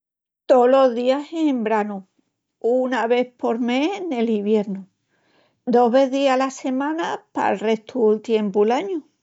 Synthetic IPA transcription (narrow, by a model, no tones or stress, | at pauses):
t̪o̞lo̞zðiasembɾanu | unaβe̞po̞ɾme̞ne̞liβje̞ɾnu | d̪o̞ɦβe̞ðialase̞mãnapa̰lre̞st̪ult̪je̞mpulaɲu